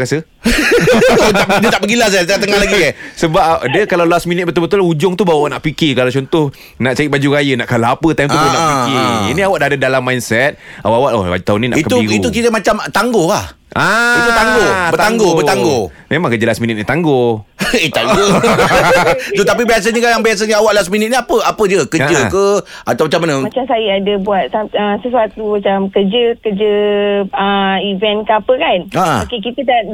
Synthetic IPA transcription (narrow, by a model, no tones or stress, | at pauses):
ɾasə | adət̪aʔbəɡilas̬aat̪at̪əŋahlaɡisəbap̚ʔadəkalawlasminɪt̪̚bət̪ʊlbət̪ʊlud͡ʒʊŋt̪ubawawaʔnaʔpikikalawt͡ʃɔnt̪ʊh | naʔt͡ʃaiʔ̚bad͡ʒuɾajənaʔkalaapət̪ajmt̪ubunaʔpikiḭniawaʔ̚daadədalamːajnsɛt̪̚awaʔawaʔ̪o̰a̰d͡ʒt̪aʊnina̰ʔikət̪uiit̪ukit̪əmat͡ʃamt̪aŋɡohah | ait̪ut̪aŋɡobət̪aŋɡobət̪aŋɡo | memãŋkəd͡ʒəlasminit̪̚nit̪aŋɡoet̪aŋɡo | t̪ot̪ap̬ibias̬aɲəkajaŋbias̬aɲəawaʔlas̬minit̪̚niapəapəd͡ʒəkəd͡ʒəkəat̪awmat͡ʃamːanəmat͡ʃamsajəadəbuat̪̚saəsəsuat̪ːumat͡ʃamkəd͡ʒəkəd͡ʒə | əivɛnkəapəkana̰okekit̪ədaʔ